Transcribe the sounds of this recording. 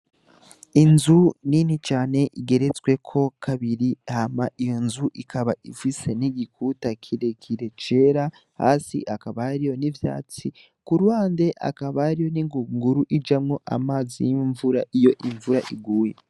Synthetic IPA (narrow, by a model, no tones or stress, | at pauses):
inzuninit͡ʃaːne̞ʔiɡe̞ɾe̞t͡swe̞kʰo̞kʰaβiɾihamaʔijo̞nzuʔikʰaβaifise̞niɡikutakʰiɾekʰiɾe̞t͡ʃe̞ɾa | ha̰ːsḭʔakaβaaɾijo̞nivja̰ːt͡si | kuɾwaːnde̞ʔa̰kaβaaɾijo̞niŋɡuŋɡuɾuʔid͡ʒamŋo̞ʔa̰maːzijiɱvuɾaʔijo̞ʔiɱvuɾaʔiɡuːjḛ